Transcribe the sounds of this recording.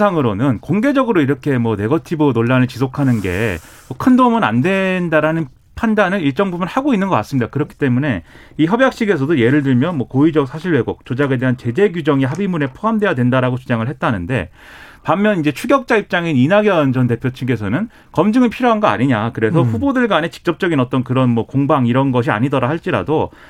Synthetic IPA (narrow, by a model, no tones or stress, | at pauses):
sʰaŋɯɾonɯnkoŋɡe̞d͡ʑʌɡɯɾoiɾʌkʰe̞mwʌne̞ɡʌtʰibɯnoɭːanɯɭt͡ɕis̬ʰokʰanɯnɡe̞̰ | mʌkʰɯndomɯna̰ndwe̞ndaɾanɯn | pʰandanɯɭiɭt͡ɕ͈ʌŋbubɯɭhaɡoinːɯnɡʌk͈as͈ɯmɲidakɯɾʌkʰi̥t͈e̞mune̞ | içjʌbjak̚ɕ͈iɡe̞s̬ʰʌdoje̞ɾɯɭdɯɭmjʌnmwʌkoid͡ʑʌk̚sʰaɕʰiɭwe̞ɡok̚t͡ɕod͡ʑaɡe̞de̞ɦant͡ɕe̞d͡ʑe̞ɡud͡ʑʌŋeɦabimune̞pʰoɦamde̞jadwe̞ndaɾaɡot͡ɕud͡ʑaŋɯɭɦe̞t̚t͈anɯnde̞̰ | pamːjʌnind͡ʑe̞t͡ɕʰuɡjʌk̚t͡ɕ͈aip̚t͡ɕ͈aŋininaɡiʌnd͡ʑʌnte̞pʰjot͡ɕʰiŋɡe̞sʰʌnɯn | kʌmd͡ʑɯŋɯɭpʰiɾjoɦanɡʌa̰ɲiɲakɯɾe̞ssʰʌɸubodɯɭɡanet͡ɕi̥k̚t͡ɕ͈ʌp̚t͡ɕ͈ʌɡinʌt͈ʌnkɯɾʌnmwʌkoŋbaŋiɾʌnɡʌɕ̬ʰia̰ɲidʌɾahaɭt͡ɕ͈iɾa̰do